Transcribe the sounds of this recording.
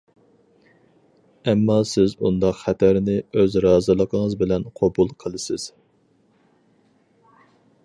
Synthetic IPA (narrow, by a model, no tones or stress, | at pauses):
ɛmːɑsɪzund̪ɑqχæt̪ʰæɾɪnɪøzɾɑːzɨlˠəqʰəŋəzbɪlɛnqʰɑbulˠqʰəlˠɨsɪz̥